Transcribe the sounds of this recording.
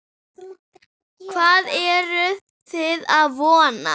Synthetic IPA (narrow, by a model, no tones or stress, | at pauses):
kʰvaːðɛɾʏ | t̪ʰɪðaðvɔːna̰